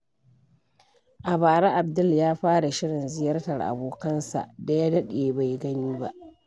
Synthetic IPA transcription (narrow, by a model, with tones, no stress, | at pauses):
ʔa˨baː˨ɾa˦ʔa˨bdʊ˦ljaː˦ɸaː˦ɽa˨ʃɪ˦ɽɪ˨nzɪ˦jɐ˦rtɐ˨rʔa̰˨boː˨kɐ˦nsa̰˨ʔda˨ja˦dɐ˦ɗeː˨ba˨jɡɐ˦niː˦ba̰˦ʔ